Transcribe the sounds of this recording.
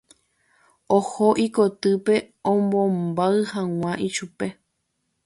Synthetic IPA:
ohoʔikot̪ɨpe̞ | õmbõmbaɨhãw̃ãʔiʃupe̞

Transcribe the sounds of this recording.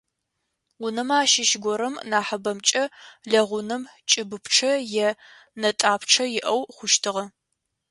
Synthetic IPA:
ʊnɨmaːʃɪʃɡʷɔɾɐmnaːħɐbɐmt͡ʃʼɐɮɐʁʷʊnɨmt͡ʃʼɪbɨpʰʈ͡ʂʰɐjɛ | nɐtʼaːpʰʈ͡ʂʰɐjɪʔɐwχʷʊʃtʰɨʁɐ

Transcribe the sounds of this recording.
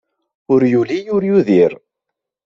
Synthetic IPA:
ʊɾjulijʊɾjuðiɾ

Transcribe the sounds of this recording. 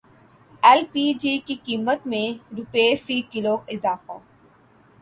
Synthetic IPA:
ɛlpiːd͡ʒiːkikiːmət̪mẽɾʊpefiːkɪloɪzaːfa̰

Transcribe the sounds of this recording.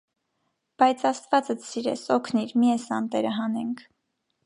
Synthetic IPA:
b̥ɑjt͡sʰɑst̪vɑt͡səsiɾɛ̰sɔkʰniɾmiɛsɑnt̪ɛɾəɦɑnɛŋkʰ

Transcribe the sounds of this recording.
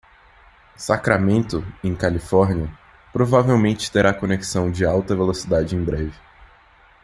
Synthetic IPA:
sakɾamẽnt̪ʊẽj̃kalifɔɾniɐ | pɾovavewmẽnt͡ʃɪ̥t̪eɾakoneki̥sɐ̃w̃d͡ʒɪawt̪ɐvelosid̪ad͡ʒɪẽj̃bɾɛvɪ

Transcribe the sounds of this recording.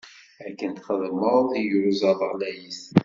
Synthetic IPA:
æɾkːənt̪χəðməɾˤðiʝɾuzæðəʁlæjis

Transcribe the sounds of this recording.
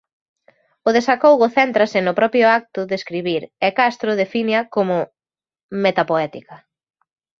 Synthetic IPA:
ʊðesakowɣʊθɛnt̪ɾɐsɪnʊpɾɔpjʊak̚t̪ʊðeskɾiβiɾɛkast̪ɾʊðefinjɐkomʊ | met̪apoɛt̪ikɐ

